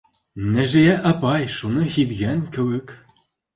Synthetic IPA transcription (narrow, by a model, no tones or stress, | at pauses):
næʒɘ̆jæʔɑpɑjʃunɤhit̪ɣænkɘ̆wɘ̆k